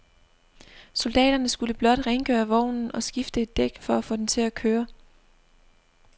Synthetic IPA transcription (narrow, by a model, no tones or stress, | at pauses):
so̝ld̥ɛ̰ːɾ̥ɐnəsɡ̥uləb̥lɒ̽d̥ʁeŋɡ̥ø̰ːɐʋɒʊ̰nn̩ɒ̽sɡ̥ifd̥əe̝d̥ːeɡ̥fɒ̽æfɔ̰ːd̥ent͡sʰe̝lækʰøːɐ